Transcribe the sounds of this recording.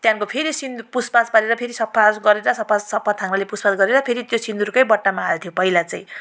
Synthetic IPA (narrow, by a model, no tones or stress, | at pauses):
t̪jãnkopʰeɾisind̪upuspaspʌɾeɾʌpʰeɾisʌpʰːasɡʌɾeɾʌsʌpʰːassʌpʰːat̪ʰaŋnalepuspasɡʌɾeɾʌpʰeɾit̪josind̪uɾukʌjbʌʈːamaːet̪ʰjopʌilat͡sʌ̃j̃